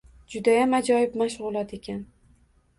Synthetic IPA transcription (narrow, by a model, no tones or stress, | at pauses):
d͡ʒʊd̪ajamad͡ʒɒjɪpmaʃʁʊlˠat̪ʰe̞kʲan